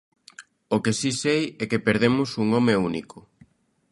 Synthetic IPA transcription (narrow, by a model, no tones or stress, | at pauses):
okesisejɛkepeɾð̞emʊsuŋɔmeunḭkʊ